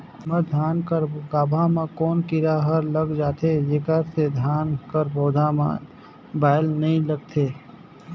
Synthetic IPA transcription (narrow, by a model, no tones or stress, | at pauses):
məd̪ʱaːnkəɾɡaːbʱamẽkɔːnkiɾaɦəɾləɡd͡ʒaːt̪ʰed͡ʒekəɾsed̪ʱjaːnkəɾboːd̪ʱamã̰ | baːɪlnəĩləɡ̚t̪ʰe